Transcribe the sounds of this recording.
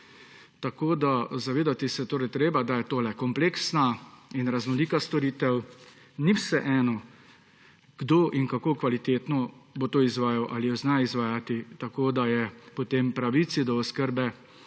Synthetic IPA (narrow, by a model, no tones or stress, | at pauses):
t̪akoːd̪azaʋeːd̪at̪isɛt̪oːɾɛjt̪ɾeːbad̪ajɛt̪oːlɛkɔmpleːksnainɾaznɔliːkast̪ɔɾiːt̪ɛw | niwsɛʔɛːnɔ | ɡ̥d̪oːʔiŋkakoːkʋalit̪eːt̪nɔbot̪oːizʋaːjawʔalijɔznaizʋaːjat̪it̪akoːd̪ajɛpɔt̪empɾaʋit̪sid̪ɔɔskəɾbɛ